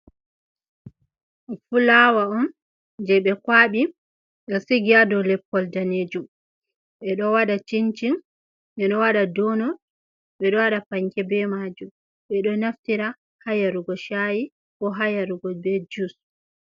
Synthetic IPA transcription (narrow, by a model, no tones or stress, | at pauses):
fulawaɔn | d͡ʒɛɓɛkwaːɓi | ɓɛsiɡiadɔlɛpːɔldaned͡ʒum | ɓɛɗɔwaɗat͡ʃint͡ʃin | ɓɛɗɔwaɗadɔnɔ | ɓɛɗɔwaɗapaŋkɛbɛmad͡ʒum | ɓɛɗɔnaftiɾa | hajaɾuɡɔʃaji | kɔɦajaɾuɡɔbɛd͡ʒus